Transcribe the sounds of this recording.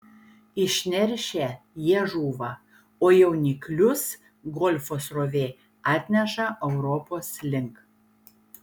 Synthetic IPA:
ɪʃʲnʲɛɾʲʃʲɛ | jiɛʒuːʋɐ | oːjɛʊnʲiklʲʊs | ɡɔlʲfoːsɾoʋʲeː | ɑːt̪ʲnʲɛʃɐʔɛʊɾɔpoːslʲɪŋk

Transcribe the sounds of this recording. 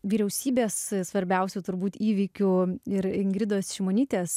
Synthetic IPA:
ʋʲiːɾʲɛʊsʲiːbʲeːssʋɐɾʲbʲɛʊsʲut̪ʊɾbuːt̪iːʋʲiːkʲuɪɾɪŋɡɾʲɪd̪oːsʃʲimoːnʲiːt̪ʲeːs

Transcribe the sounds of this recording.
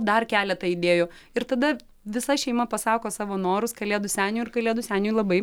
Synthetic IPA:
d̪ɐrkʲæːlʲɛt̪ɐɪd̪ʲeːjoː | ɪɾt̪ɐd̪ɐ | ʋʲɪsɐʃʲɛɪmɐpɐsɑːkoːsɑːʋoːnoːɾʊskɐlʲeːd̪ʊsʲæːnʲuːɪrkɐlʲeːd̪ʊsʲæːnʲuːjlˠɐbɐɪ

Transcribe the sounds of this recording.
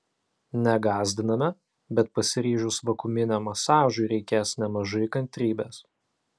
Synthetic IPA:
nʲɛɡɑːzʲd̪ʲɪnɐmʲɛ | bʲɛt̪̚pɐsʲɪɾʲiːʒʲʊsʋɐkʊmʲɪnʲɛmɐsɑːʒʊɪɾʲɛɪkʲeːsnʲɛmɐʒɐɪkɐnʲt̪ʲɾʲiːbʲeːs

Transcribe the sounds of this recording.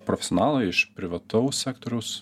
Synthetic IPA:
pɾɔfʲɛ̥sʲoɔnɑːlˠɐɪɪʃpʲɾʲɪʋɐt̪ɐʊssʲæːkt̪ɔɾʲɛʊs

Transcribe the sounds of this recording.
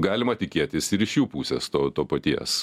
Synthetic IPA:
ɡɑːlʲɪmɐt̪ʲɪkʲeɛt̪ʲɪsɪɾɪʃjuːpuːsʲɛːst̪oːt̪oːpɐt̪ʲiɛs

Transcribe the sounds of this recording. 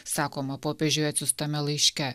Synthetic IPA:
sɑːkoːmɐpoːpʲɛʒʲʊjɛt̪sʲʊst̪ɐmʲɛlˠɐɪʃʲkʲɛ

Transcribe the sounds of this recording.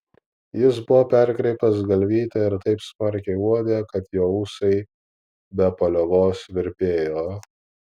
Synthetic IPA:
jɪs̬bʊʋoːpʲæˑɾʲkɾʲɛɪpʲt̪ɐs̬ɡɐlʲʋʲiːt̪ʲɛɪɾt̪ɐɪpsmɐɾʲkʲɛɪuɔd̪ʲekɐt̪joːuːsɐɪ | bʲɛpɐlʲoʋoːsʋʲɪɾʲpʲeːjoː

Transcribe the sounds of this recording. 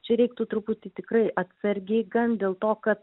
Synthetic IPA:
t͡ʃʲɛɾʲɛɪk̚t̪ut̪ɾʊput̪ʲɪt̪ʲɪkɾɐɪʔɐt̪ʲsɐɾʲɡʲɪɡɐnd̪ʲeːlˠt̪oːkɐt̪

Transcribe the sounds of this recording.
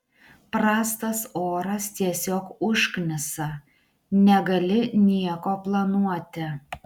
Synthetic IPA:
pɾɑːst̪ɐsoːɾɐst̪ʲiɛsʲoːkʊʃknʲɪsɐ | nʲɛɡɐlʲɪnʲiɛkoːplˠɐnuɔt̪ʲɪ

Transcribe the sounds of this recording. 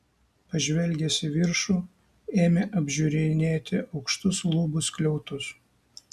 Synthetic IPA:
pɐʒʲʋʲɛlʲɡʲɛsʲɪʋʲɪɾʃuː | eːmʲeʔɐbʲʒʲʊɾʲenʲeːt̪ʲɪʔɒʊkʃt̪ʊslˠʊbʊsklʲɛʊt̪ʊs

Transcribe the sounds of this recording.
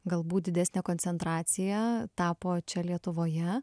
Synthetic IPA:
ɡɐlˠbuːt̪̚d̪ʲɪd̪ʲæsʲnʲeːkoːnʲsʲɛnt̪ɾɑːt̪sʲɪjɛt̪ɑːpoːt͡ʃʲɛlʲiɛt̪ʊʋoːjɛ

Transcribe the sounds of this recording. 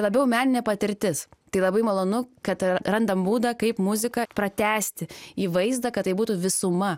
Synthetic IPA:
lˠɐbʲɛʊmʲæːnʲɪnʲɛpɐt̪ʲɪɾʲt̪ʲɪst̪ɐɪlˠɐbɐɪmɐlˠoːnʊkɐt̪ɾɐnd̪ɐmbuːd̪ɐkɐɪpmʊzʲɪkɐpɾɐt̪ʲæːsʲt̪ʲɪiːʋɐɪzd̪ɐkɐt̪t̪ːɐɪbuːt̪uʋʲɪsʊmɐ

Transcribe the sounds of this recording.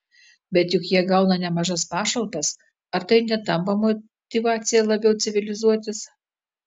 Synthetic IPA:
bʲɛt̪jʊkjiɛɡɐʊnɐnʲɛmɐʒɐspɑːʃɐlˠt̪ɐs | ɐɾt̪ɐɪnʲɛt̪ɐmpɐmɔ | t̪ʲɪʋɑːt̪sʲɪjɛlˠɐbʲɛʊt̪sʲɪʋʲɪlʲɪzuɔt̪ʲɪs

